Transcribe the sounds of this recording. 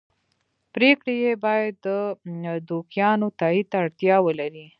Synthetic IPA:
pɾekɽejebɑjad̪ːəd̪okjɑnot̪ɑit̪ːaːɽt̪jɑwəlaɾi

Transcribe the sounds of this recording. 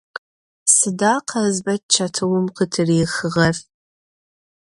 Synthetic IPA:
sɨdaːqʰɐzbɐt̚t͡ʃʰɐtʰɨwʊmqətʰɨriːxɨʁɐf

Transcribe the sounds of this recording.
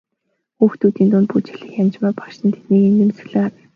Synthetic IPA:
xuːxt̪uːt̪iːnt̪ʊnt̪put͡ɕiɮɘ̆xjant͡ɕmaːpḁʃt̪ə̆nt̪ʰe̥t̪niːkent̪ĕmsɘ̆ɮɘ̆ŋawɪ̆

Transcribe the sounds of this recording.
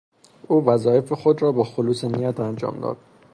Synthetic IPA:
uːvæzɒːe̞fexod̪rɒːbɒːxoluːsenijæt̪ʰænd͡ʒɒ̰ːmd̪ɒ̰ːd̪̥

